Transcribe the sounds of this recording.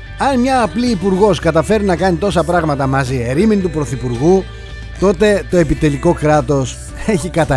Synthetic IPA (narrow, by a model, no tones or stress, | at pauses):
ɐnmɲɐːpliːpuɾɣo̞skɐt̪ɐfe̞ɾunɐkɐnit̪o̞sɐpɾɐɣmɐt̪ɐmɐzieɾiminit̪upɾo̞θipuɾɣu | t̪o̞t̪e̞t̪o̞e̞pit̪e̞liko̞kɾɐt̪o̞s | e̞çikɐt̪ɐ